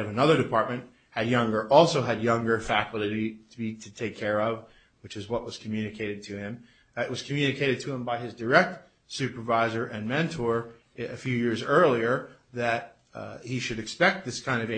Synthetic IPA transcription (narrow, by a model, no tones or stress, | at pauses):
ʌvɨnʌðə˞ɾɨpʰɑɹt̚mɨ̃nʔ̚ | hɨd̚jʌ̃ŋɡə˞ʔɔlˠsoʊɨd̚jʌ̃ŋɡə˞fækʰɪlˠɨɾiɾbiɾɨtʰeɪkʰɛɹʌv | wɨt͡ʃɨzwʌʔ̚wʌz̥kʰm̩jʉnɨkʰeɪɾɨd̚tʰɨɪ̃m | ɪʔ̚wʌz̥kʰmjʉnɨkʰeɪɾɨd̚tʰɨə̃mbaɪɨzdə˞ɛk̚t̚ | sʉpə˞vaɪzə˞ʔɨ̃nmɛ̃ntʰɔɹ | ɨfjʉjɪɹzɜ˞lˠiə˞ | ðɨt̚ | hiʃɨɾɨkspɛk̚t̪̚ðɪskʰãɪ̃ndʌv